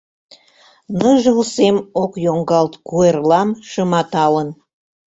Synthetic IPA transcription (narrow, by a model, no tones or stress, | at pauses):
nəʒəlsemokjoŋɡɑlt̪kuerlɑmʃəmɑt̪ɑlən